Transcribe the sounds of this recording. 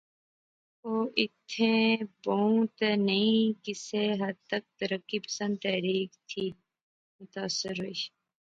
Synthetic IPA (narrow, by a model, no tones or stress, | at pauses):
oːʔɪt̪ʰẽːbout̪nəĩkɪseɦɐd̪̚t̪ək̚t̪əɾəkːipə̥sə̃nd̪̚t̪ɛːɾiːkt̪ʰiː | mʊt̪aːsːɪɾɦoiʃ